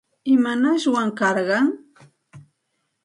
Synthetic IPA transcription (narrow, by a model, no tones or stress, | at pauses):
ɪmanaʃwaŋkɑɾɢɑŋ